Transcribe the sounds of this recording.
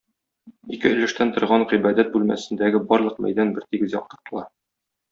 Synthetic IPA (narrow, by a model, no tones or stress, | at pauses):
ikɘɵ̆lɘ̆ʃt̪ænt̪ŏɾʁɑɴʁibæd̪æt̪̚bʉlmæ̰sɘ̆nd̪æɡɘbɒɾlˠɤ̆qmæ̰jd̪ænbɘɾt̪iɡɘzjɒ̰q̚t̪ɤ̆ɾt̪ɤ̆lˠɑ